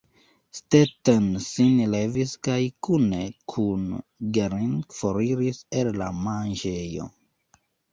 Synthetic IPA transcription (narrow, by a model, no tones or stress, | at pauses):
stetensinleviskajkune̞kʰunɡeɾinfoɾiɾisellamanʒejo̞̰